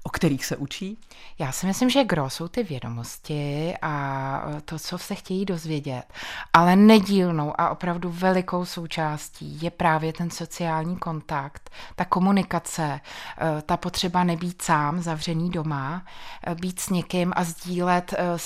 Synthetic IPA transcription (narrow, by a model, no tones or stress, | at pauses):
ʔokt̪ɛɾiːxsɛʔut͡ʃiː | jaːsɪmɪslɪmʒɛɡɾo̞so̞wt̪ɪvjɛdo̞̰mo̞scɪʔat̪o̞t͡so̞sɛxcɛjiːdo̞zvjɛɟɛt̪ʔalɛnɛɟiːlno̞wʔa̰ʔo̞pɾavduvɛlɪko̞wso̞wt͡ʃaːscḭːjɛpɾaːvjɛt̪ɛnso̞t͡sɪaːlɲiːko̞nt̪akt̪ːako̞munɪkat͡sɛ | t̪apo̞t̪r̝̥ɛbanɛbiːt̪saːmzavr̝ɛniːdo̞ma | biːt̪sɲɛkɪmʔazɟiːlɛt̪